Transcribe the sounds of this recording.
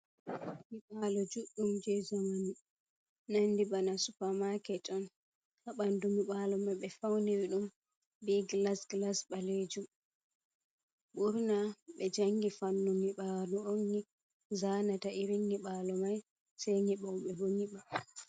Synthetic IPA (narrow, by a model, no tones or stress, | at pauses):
ŋiɓalɔd͡ʒuɗːumd͡ʒɛzamani | nandibanasupamakɛtʰɔn | haɓandumiɓalɔmajɓɛfawnewiɗum | biɡlasɡlasɓaled͡ʒum | ɓuɾnaɓɛd͡ʒaŋɡifanːumiɓalɔoŋːi | zanataʔiɾiŋːiɓalɔmaj | sajŋiɓawɓɛboŋiɓa